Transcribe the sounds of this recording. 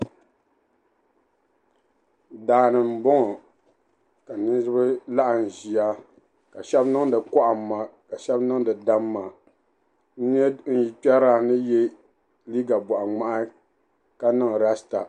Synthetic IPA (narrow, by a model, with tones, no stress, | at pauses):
daː˨nɨ˨m̩˨bɔ˦ŋɔ˨ | ka˨nɨ˦zɨ˦bɨ˦la˦ʔa˨n̩˨ʒi˨a˦ | ka˨ʃɛ˦bnɨ˦ŋ˦dɨ˨kɔ˦ʔa˨m̩ː˦a˨ka˨ʃɛ˦bnɨ˦ŋ˦dɨ˨da˦mː˦a˨ | n̩˦ɲɛ˦n̩˦ji˨pɛ˦ɾa˦nɨ˦jɛ˦ | li˦ɡa˨bɔ˨ʔa˨ŋ͡ma˦ʔa˦ | ka˦nɨ˦ŋ˨ɾa˦sta̰˨